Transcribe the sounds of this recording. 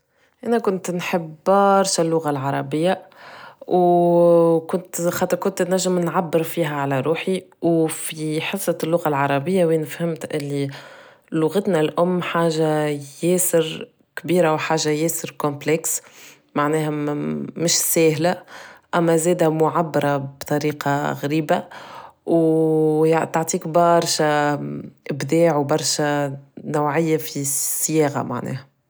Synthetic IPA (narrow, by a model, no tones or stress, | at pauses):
ʔænækʊnt̪nħəbːɑɾˤʃɪlːʊɣalʕɑɾˤɑbɪjːa | w | kʊnt̪xɑt̪ːəɾkʊnt̪næʒːɪmnʕabːɪɾfiːɦæʕalæɾˤuːħiwfiħɑsˤːɑlːʊɣalʕɑɾˤɑbɪjːawinfhɪmt̪ʔɪlːi | lʊɣət̪nælʔʊmːħaːʒajɛːsɪɾ | kbiːɾawħaːʒajɛːsɪɾkʊmplɛks | maʕnɛːhæmɪʃsɛːhlaʔæmːæzɛːd̪æmʊʕabːɑɾˤɑbt̪ˤɑɾiːqɑɣɾiːbaw | t̪aʕt̪ˤiːkbɑɾˤʃa | ʔɪbd̪ɛːʕwbɑɾˤʃanawʕɪjːafisːɪjɛːɣa̰ma̰ʕnɛ̰ːhæ